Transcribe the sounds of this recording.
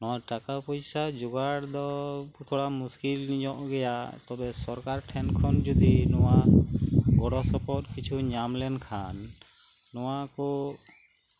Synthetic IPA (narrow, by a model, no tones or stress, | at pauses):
nɔaʈakapɔjsad͡ʒuɡaɽd̪ɔt̪ʰoɽamuskilnid͡ʒɔʔɡɛjat̪ɔbɛsɔɾkaɾʈʰɛnkʰɔnd͡ʒud̪inɔwa | ɡɔɽɔsɔpɔt̪̚kit͡ʃʰuɲamlɛnkʰanː | ɔwakɔ